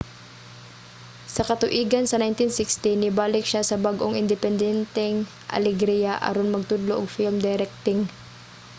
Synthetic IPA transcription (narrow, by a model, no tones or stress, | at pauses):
sɐkɐt̪ʊʔiːɡɐnsɐnajnt̪ɪnsɪkst̪ɪnɪbaːlɪk̚ʃasɐbaɡʔoŋʔɪnd̪ɛpɛnd̪ɛnt̪ɛŋ | ʔɐ̰lɛɡɾijaʔɐ̰ɾonmɐɡ̚t̪ʊd̪loʔʊɡ̚fɪlmd̪ɛɾɛk̚t̪ɪŋ